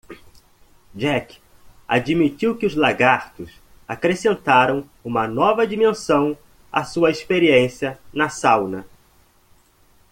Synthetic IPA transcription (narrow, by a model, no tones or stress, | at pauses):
d͡ʒɛk | a̰d͡ʒimitiwkɪʊzlaɡaɾt̪ʊs | akɾesẽnt̪aɾɐ̃w̃ | ũmɐnɔvɐd͡ʒimẽsɐ̃w̃ | a̰suɐespeɾiẽsiɐnɐsawnɐ